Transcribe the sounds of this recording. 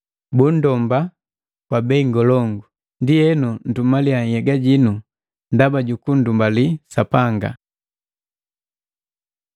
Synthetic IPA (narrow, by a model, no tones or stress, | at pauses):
bun̩dɔmba | kwabɛiŋɡɔlɔŋɡu | ndijɛnun̩dumaliaŋhɛɡaɟinu | ndabaɟukun̩dumbalisapaŋɡa̰